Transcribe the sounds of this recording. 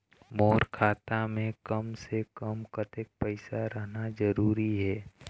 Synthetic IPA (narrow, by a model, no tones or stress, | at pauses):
moːɾkʰaːt̪amẽkəmsekəmkət̪ɪk̚pɛɪsaɾəɦnazəɾuːɾiɦɛː